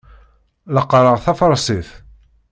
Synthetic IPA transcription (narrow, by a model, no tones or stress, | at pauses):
ləqːɾˤəʁθɑfɾˤsˤiθ